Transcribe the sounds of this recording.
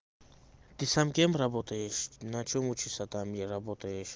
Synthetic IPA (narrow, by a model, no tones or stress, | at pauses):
t̪isamkɛmɾabɔt̪ajɛʃnat͡ʃʰɔmut͡ʃʰisat̪amjɛɾabɔt̪ajɛʃ